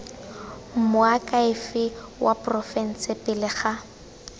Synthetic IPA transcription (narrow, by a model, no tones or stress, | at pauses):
m̩mʊakʼaɪfɪwʔaprɔfɛn̩sɪpɪlɪχa